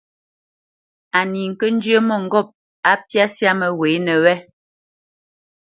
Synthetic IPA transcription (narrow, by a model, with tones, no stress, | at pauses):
a˨ni˨ŋ̩˨kə˦n̩˦d͡ʒə˦mɔ˦˨ŋ̩˨ɡɔ˦˨p̚ | a˨˦pja˦sja˦mɛ˨we˨˦nɛ˨wɛ˦